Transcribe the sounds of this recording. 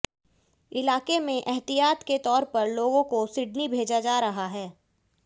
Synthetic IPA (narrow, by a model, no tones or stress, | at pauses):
ɪlaːkemẽʔɛɦt̪ijaːt̪ket̪ɔːɾpɐɾloːɡõkosɪɖnibʱeːd͡ʒad͡ʒaːɾɐɦaɦɛː